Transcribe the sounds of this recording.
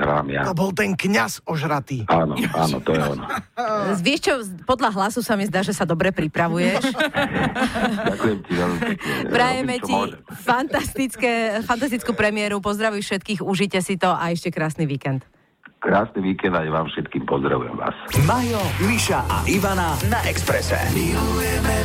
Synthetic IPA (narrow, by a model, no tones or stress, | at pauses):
ɾa̰amja̰ɔbɔlt̪ɛŋkɲasɔʒɾat̪iːaːnɔaːnɔ̰t̪ɔjɛɔnɔzʋɪɛʃt͡ʃɔpɔd̪ʎaɦlasusamizd̪aːʒɛsad̪ɔbɾɛpɾipɾaʋujɛʃ | akujɛmcizɛzmiɛɛpɾajɛmɛt͡ʃciɔʒɛfant̪ast̪it͡skɛfant̪ast̪it͡skuːpɾɛmɪɛɾupɔzd̪ɾaʋiːfʃɛt̪̚kiːɣuʒicɛsit̪ɔʔaɛʃcɛkɾaːsniʋiːkɛnt̪ | kɾaːsniʋiːkɛnd̪ajʋaːmfʃɛt̪kiːmpɔzd̪ɾa̰ʋṵjɛ̰mʋa̰ːsmaɦjɔmiʃaʔa̰ʔiʋananaʔɛkspɾɛsɛ̰